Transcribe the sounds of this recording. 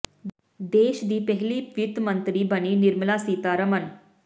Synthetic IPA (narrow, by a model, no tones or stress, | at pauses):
d̪eːʃd̪iːpɛɦliːɪt̪mənt̪ɾiːbəniːnɪɾməlasiːt̪aːɾəmən